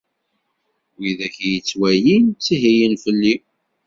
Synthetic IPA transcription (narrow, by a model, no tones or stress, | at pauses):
wiðæçjət͡sːwæjint͡sːiɦijinfəlːi